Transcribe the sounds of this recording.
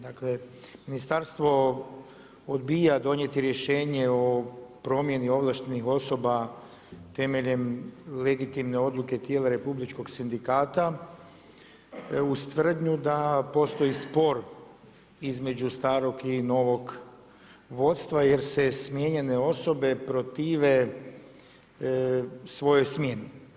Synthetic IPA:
d̪akle̞minist̪aɾst̪ʋo̞ | od̪bijad̪o̞nje̞t̪iɾje̞ʃeːɲe̞o̞pɾo̞mje̞nio̞ʋlaʃt̪enixo̞so̞ba | t̪e̞me̞ʎe̞mleɡit̪imne̞o̞d̪lˠuke̞t̪jeːlaɾe̞publit͡ʃko̞ksind̪ikaːt̪a | ust̪ʋər̩d̪ɲud̪apo̞st̪o̞ispo̞ɾ | izme̞d͡ʒust̪aːɾo̞ɡino̞ʋo̞ɡ | ʋo̞t̪st̪ʋajeɾsesmje̞ɲe̞ne̞o̞so̞be̞pɾo̞t̪iːʋe̞ | sʋo̞jojsmjeni

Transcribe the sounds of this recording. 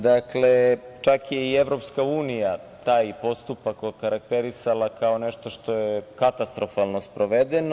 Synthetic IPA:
d̪aklet͡ʃakjeieʋɾo̞pskauːnijat̪aːjpo̞st̪upakokaɾak̚t̪eɾisalˠakaoneʃt̪o̞ʃt̪o̞jekat̪ast̪ɾofalˠnospɾoʋed̪eno

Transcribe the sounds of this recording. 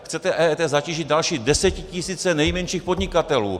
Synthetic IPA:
xt͡sɛt̪ɛʔɛːt̪ɛzaciːʒɪd̪̚dalʃiːdɛsɛcɪcɪsiːt͡sɛnɛjmɛnʃiːxpod̪ɲɪkat̪ɛlṵː

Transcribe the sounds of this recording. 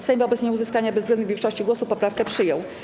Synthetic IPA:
sɛɲvɔbɛt̪sɲɛuzɘskaɲabɛzvɡlɛnvʲjɛ̃ŋkʂɔɕt͡ɕiɡwɔsupɔpɾafkɛpʂɘjɔw

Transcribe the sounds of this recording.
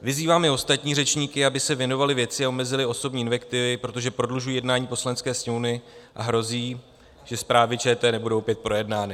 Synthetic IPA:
vɪziːvaːmɪo̞st̪at̪ɲiːrɛt͡ʃɲiːkɪabɪsɛvjɛno̞valɪvjɛt͡sɪao̞mɛzɪlɪo̞so̞bɲiːnvɛkt̪ɪvɪpɾo̞t̪o̞ʒɛpɾo̞dluʒujiːjɛdnaːɲiːpo̞slanɛt͡skɛːsɲɛwnɪʔa̰ɦɾo̞ziː | ʒ̥ɛspɾaːvɪt͡ʃɛːt̪ɛːnɛbudowpjɛt̪̚pɾo̞jɛdnaːnɪ

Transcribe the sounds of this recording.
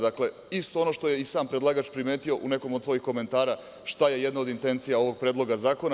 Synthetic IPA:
d̪akle̞ | ist̪o̞o̞no̞ʃt̪o̞je̞isaːmpɾed̪lˠaɡat͡ʃpɾime̞ːt̪io̞ʔune̞ko̞mod̪sʋo̞jixko̞me̞nt̪aːɾa | ʃt̪aje̞je̞d̪naod̪int̪e̞nt̪sijao̞ʋo̞ɡ̚pɾed̪lˠo̞ɡazaːko̞na

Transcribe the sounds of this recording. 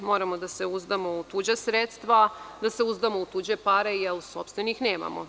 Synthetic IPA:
mo̞ɾamo̞d̪aseuzd̪amo̞ut̪uːd͡ʑasɾet̪st̪ʋad̪ase̞uzd̪amout̪uːd͡ʑepaɾejelso̞pst̪ʋenixneːma̰mo

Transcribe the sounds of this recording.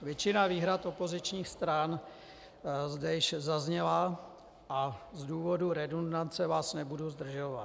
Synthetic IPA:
vjɛt͡ʃɪnaviːɦɾat̪o̞po̞zɪt͡ʃɲiːxst̪ɾan | zdɛjɪʃzazɲɛla | ʔazduːvo̞duɾɛdondant͡sɛvaːsnɛbuduzd̪r̩ʒovat̪

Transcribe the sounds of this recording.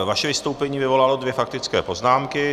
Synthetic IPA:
vaʃɛvɪst̪o̞wpɛɲiːvɪvo̞lalo̞dvjɛfak̚t̪ɪt͡skɛːpo̞znaːmkɪ

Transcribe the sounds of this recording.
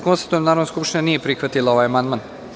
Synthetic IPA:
ko̞nst̪at̪ujemnaːɾonoskupʃt̪iɲanije̞pɾixʋat̪ilˠao̞ʋajamand̪man

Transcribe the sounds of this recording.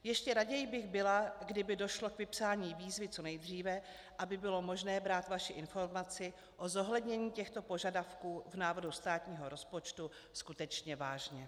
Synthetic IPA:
jɛʃcɛɾaɟɛjɪbɪɣbɪlaɡdɪbɪdo̞ʃlo̞kvɪpsaːɲiːviːzvɪt͡so̞nɛjd̪r̝iːvɛ | ʔabɪbɪlo̞mo̞ʒnɛːbɾaːt̪vaʃɪʔɪnfo̞ɾmat͡sɪ | ʔo̞zoɦlɛd̪ɲɛɲiːcɛxt̪o̞po̞ʒadafkuːvnaːvodust̪aːt̪ɲiːɦo̞ɾo̞spo̞t͡ʃt̪u | skut̪ɛt͡ʃɲɛvaːʒɲɛ

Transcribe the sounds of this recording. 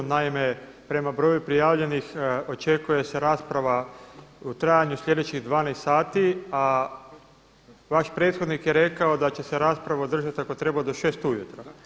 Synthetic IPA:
naime̞ | pɾe̞mabɾo̞ːjupɾijaːʋʎe̞nixo̞t͡ʃe̞kuje̞se̞ɾaːspɾaʋa | ut̪ɾaːjaɲuslʲʎe̞d̪et͡ɕiɣd̪ʋaːnest̪saːt̪ia | ʋaʃpɾe̞ːt̪xod̪nikje̞ɾe̞kao̞d̪at͡ɕe̞se̞ɾaːspɾaʋaod̪r̩ʒat̪akot̪ɾe̞bad̪o̞ʃe̞ːst̪ujut̪ɾo

